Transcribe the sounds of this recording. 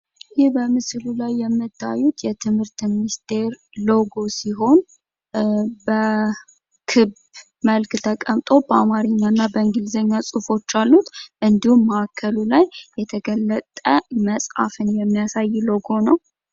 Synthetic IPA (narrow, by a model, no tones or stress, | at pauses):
jɪhbəmɨslulajːɛmːɨt̪ʰːa̰jːut̪jɛt̪ʰɨmhɨɾt̪minist̪ʰe̞ɾ | loɡo̞siɦo̞n | bə | kʰɨb | məlkt̪ʰəkʼəmt̪ʼo̞bəamaɾɨɲːanːabəɨŋɡɨlzəɲːasʼufo̞t͡ʃːalːut̪ʔɨnd̪ihumːəakʰːəlulajːɛt̪ʰəɡəlːət̪ʼəməsʼa̰fɨnjɛmːijasajːlo̞ɡo̞nəw